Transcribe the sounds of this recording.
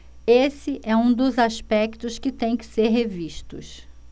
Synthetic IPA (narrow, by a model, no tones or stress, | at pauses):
esɪʔɛũd̪ʊzaspɛkt̪ʊskɪt̪ẽj̃kɪ̥seɾɦeviʃt̪ʊ̰s